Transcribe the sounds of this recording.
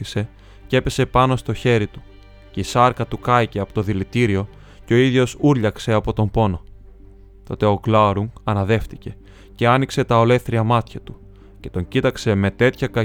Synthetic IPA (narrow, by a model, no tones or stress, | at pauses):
ise̞ | ce̞pe̞se̞pɐno̞st̪o̞çe̞ɾit̪u̥ | ce̞isɐɾkɐt̪ukɐice̞ɐpo̞t̪o̞ðilit̪iɾio̞ | ceo̞iðʝo̞suɾʎɐkse̞ɐpo̞t̪o̞mbo̞no̞ | t̪o̞t̪e̞o̞klɐɾuŋɐnɐðe̞ft̪ice̞ | ce̞ɐnikse̞t̪ɐo̞le̞θɾiɐmɐt̪çɐt̪u | ce̞t̪o̞ɲcit̪ɐkse̞me̞t̪e̞t̪çɐkɐ